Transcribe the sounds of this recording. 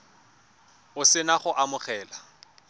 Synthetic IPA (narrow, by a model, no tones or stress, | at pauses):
ʊsɪnaχʊʔamʊχɛːla